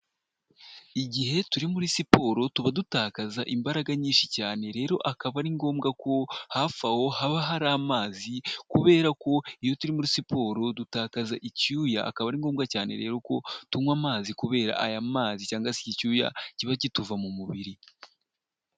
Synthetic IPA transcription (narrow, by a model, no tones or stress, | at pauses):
iɟiɦe̞tuɾimuɾisipo̞ɾo̞tuβadutaːkazaʔimbaɾaɡaɲiːnʃi̥caːne̞ɾe̞ːɾo̞ʔakaβaɾiŋɡo̞ːmɡako̞hafaho̞haβaɦaɾamaːzikuβe̞ːɾako̞ijo̞tuɾimuɾisipo̞ːɾo̞dutaːkazaʔicujaʔːkaβaɾiːŋɡo̞ːmɡacaːne̞̰ɾe̞̰ːɾo̞ko̞tumwamaːzikuβe̞ːɾa̰ʔajamaːzicaːŋɡasecicuːja̰ciβacituvamumuβiɾi